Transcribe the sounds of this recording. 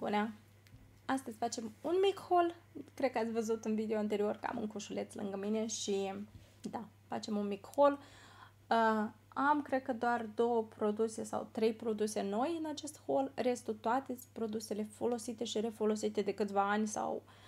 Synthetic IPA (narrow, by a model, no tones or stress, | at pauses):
bṵna | ast̪əzʲfat͡ʃe̞munmikho̞lkɾekəat̪sʲvəzut̪ɨnvid̪eoant̪e̞ɾio̞rkəa̰mɨ̰ŋkuʃule̞t̪slɨ̰ŋɡəmine̞ʃi | d̪a | fa̰t͡ʃe̞munmikho̞l | əamkɾe̞d̪̚kəd̪oard̪o̞wəpɾo̞d̪use̞sa̰wt̪ɾe̞jpɾo̞d̪use̞no̞jɨnat͡ʃe̞st̪ho̞lre̞st̪ut̪oat̪epɾo̞d̪use̞le̞fo̞lo̞sit̪e̞ʃiɾefo̞lo̞sit̪e̞d̪e̞kɨt̪sʲvaanʲsa̰w